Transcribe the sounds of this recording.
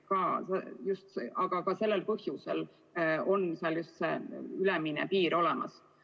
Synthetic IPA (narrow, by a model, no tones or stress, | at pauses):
kɑːsejust̪seʔɑɡ̥ɑkɑse̞lːe̞lpɤhjuse̞l | o̞nseɑljust̪sḛylɛminḛpiːɾo̞lɛmɑ̰s